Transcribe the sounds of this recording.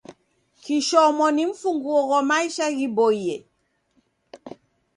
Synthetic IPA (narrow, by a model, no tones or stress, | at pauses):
kiʃɔmɔniɱ̩fuŋɡuɔɣɔmaiʃaɣibɔijɛ